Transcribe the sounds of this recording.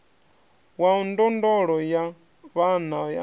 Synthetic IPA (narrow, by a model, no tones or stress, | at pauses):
waɔndɔndɔɺɔja | βanaja̰